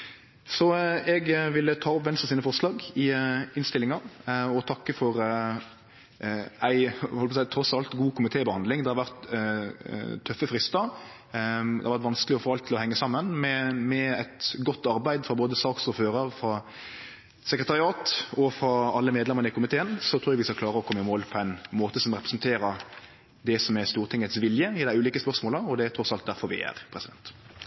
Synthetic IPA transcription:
sɔɛɡʋɪlːət̪ʰɑːɔpʋɛnsɑsiːnəfɔɾʂlɑːɡɪɪnst̪ɪlːɪŋɑɾɔt̪ʰɑkːəfɔɾ | æɪhɔlpɔsæɪt̪ʰɾɔsɑlt̪ɡuːkʊmɪt̪ʰeːbəhɑnd̪lɪŋd̪ɛhɑɾʋæʁt̪ | t̪ʰœfəfɾɪst̪əɾ | d̪ɛ̰ɑɾʋæɾt̪ʋɑnskəlɪɔfoːɑlt̪ʰːɪlɔhɛŋːəsɑmːənmɛmɛɛt̪ɡɔt̪ːɑɾbæɪd̪fɾɑboːd̪əsɑːksɔføːɾəɾfɾɑ | sɛkɾət̪ʰɑɾɪɑːt̪ɔfɾɑɑlːəmeːd̪lɛmːənəɪkʊmɪt̪ʰeːənsɔt̪ʰɾːjɛʋɪskɑklɑːɾəɔkʰɔmːɪmoːlpʰɔæɪnmoːt̪əsɔmʁɛpɾɛsnt̪ʰeːɾə | d̪ɛsɔmɛst̪uːɾt̪ɪŋːət̪sʋɪljəɪd̪æɪʉːliːkəspœʁsmoːləɔd̪ɛæɾt̪ʰɾɔsɑlt̪d̪æɾfɔɾʋɪ̰æ̰ɾpʰɾɛsɪd̪ɛ̰nt̪

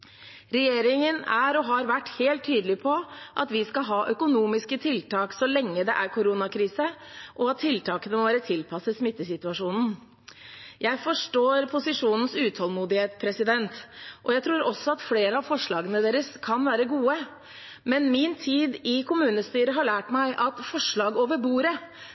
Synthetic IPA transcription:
ɾɛjeːɾɪŋənæɾɔɦɑɾʋæʈːheːlt̪ʰːyːd̪əlɪpʰɔʔɑt̪ʋɪskɑɦɑːʔœkʊnuːmɪskət̪ʰɪlt̪ʰɑːksɔlɛŋːəd̪ɛ̰ʔæɾkʰʊɾuːnɑkʰɾiːsəʔɔɑt̪ʰːɪlt̪ʰɑːkənəmɔʋæːɾət̪ʰɪlpʰɑsːəsmɪt̪ːəsɪt̪ʉɑʂuːnn̩ | jæɪfɔʂʈoːɾpʰʊsɪʂuːnən̩sʉːt̪ʰhɔlˠmuːd̪ɪheːt̪spʰɾɛsɪd̪ɛnt̪ʔɔjæɪt̪ʰɾuːɾɔsːɔɑt̪fleːɾəɑʋfɔʂɭɑːɡənəd̪eːɾəskʰɑnʋæːɾəɡuːə | mɛnmɪnt̪ʰiːd̪ɪkʰʊmʉːnəst̪yːɾəɦɑɭæːʈmæɪʔɑt̪fɔʂɭɑːɡoːʋəɾbuːɾə

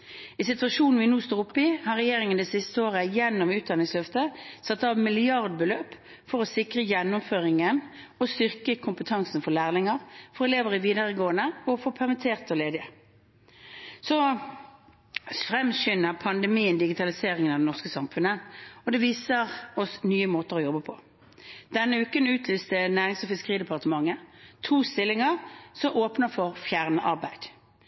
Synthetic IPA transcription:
ɪsɪt̪ʋɑʃuːnn̩ʋɪnuːst̪oːʊpːɪhɑʁɛjeːʁɪŋənd̪ɛsɪst̪əoːʁəjɛnːɔmʉːt̪̚d̪ɑnɪŋslœft̪əsɑt̪ːɑːʋmɪlɪɑʁd̪̚bəløːp | fɔʁɔsɪkʁəjɛnːʊmføːʁɪŋən | ɔst̪ʏʁkəkʰʊmpət̪ʰɑŋsn̩fɔʁlæːʁlɪŋəʁfɔɾɛleːʋəʁɪʋiːd̪əʁəɡoːənəɔfɔpʰæʁmɪt̪ʰeːʁt̪ɔleːd̪ɪə | sɔ | fʁɛmʃʏnəʁpʰɑnd̪ɛmiːənd̪ɪɡɪt̪ʰɑlɪseːʁɪŋənɑʋd̪ɛnɔʁskəsɑmfʉnəɔd̪ɛʋiːsəʁɔsnyːəmoːt̪əʁɔjɔbːəpʰɔ | d̪̥ɛnːəʉːkənʉːt̪ʰlyːst̪ənæːʁɪŋsɔfɪskəʁiːd̪ɛpʰɑʁt̪əmɑŋːət̪ʰuːst̪ɪlːɪŋəʁsɔmʔoːpnəfɔʁfjæːʁnəʔɑʁbæɪd̪̥

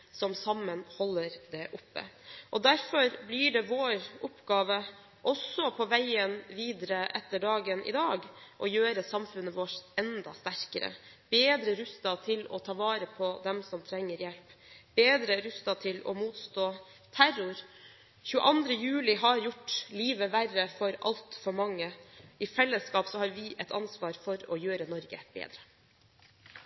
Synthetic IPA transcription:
sɔmsɑmːənhɔlːəɾd̪ɛʔʊpːə̰ʔɔd̪æɾfɔɾbliɖɛʋoːɾɔpːɡɑːʋə | ʔɔsɔpʰɔʋæɪənʋiːd̪əɾəʔɛt̪ːəɖɑːɡənʔɪ̰d̪ɑːɡʔɔjøːɾəsɑmfʉnːəʋɔʂɛnd̪ɑ̰st̪æɾkəɾə̰ | b̥eːd̪ɾəɾʉst̪ɑt̪ʰɪlɔ̰t̪ʰɑːʋɑːɾəpʰɔd̪ɛmsɔmt̪ʰɾɛŋːəɾjɛlpb̥eːd̪ɾəɾʉst̪ɑt̪ʰɪlɔ̰muːt̪st̪oː | t̪ʰæɾʊɾ | çʉːə̰ʔɑnd̪ɾəjʉːlɪɦɑɾjʊʈːliːʋəʋærəfɔɾɑ̰lt̪fɔɾmɑŋːəʔɪfɛlːəskɑːpsɔhɑːɾʋɪʔɛt̪ʰɑ̰nsʋɑːɾfɔɾɔjøːɾənɔɾɡəb̥ḛːd̪ɾə

